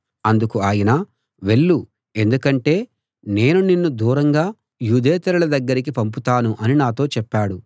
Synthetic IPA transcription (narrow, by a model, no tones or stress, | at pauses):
ɐnd̪ukuaːjɐnɐː | ʋe̞ɭːu | e̞nd̪ukɐɳʈe̞ː | ne̞ːnuninːud̪uːɾɐŋɡaː | juːd̪eːt̪ɐɾulɐd̪ɐɡːɐɾikipɐmp̬ut̪aːnuʔɐninaːt̪o̞ːt͡ʃɛpːaːɽu